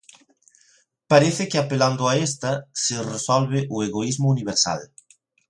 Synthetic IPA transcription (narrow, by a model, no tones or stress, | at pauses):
paɾeθɪkɪapeland̪ʊaest̪ɐseresɔlβ̞ɪʔueɣoizmʊuniβ̞eɾsa̰l